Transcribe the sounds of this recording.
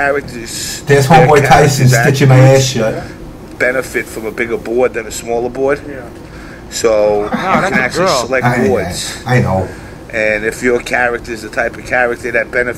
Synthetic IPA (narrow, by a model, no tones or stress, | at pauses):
æɹɨk̚tʰə˞z̥ðə˞z̥hɔbɔɪtʰaɪsnzðɨt͡ʃɨmeɪɛsə | b̥ɛnɨfɨtfɹʌ̃məbɪɡə˞bɔɹd̪̚ðɨ̃nɨsmɔlˠə˞bɔɹd̥ | soʊɨ̃næk̚t͡ʃlˠisəlɛkaɪbɔɹsaɪnoʊ | ʔɨ̃nɪfjə˞kʰæɹɨk̚tə˞zɨtʰaɪpʌv̥kʰæɹɨk̚tə˞ðɨt̚b̥ɛnɨ